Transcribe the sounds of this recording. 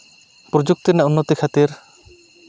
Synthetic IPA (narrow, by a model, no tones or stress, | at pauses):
pɾɔd͡ʒuk̚t̪inaunːot̪ikʰat̪iɾ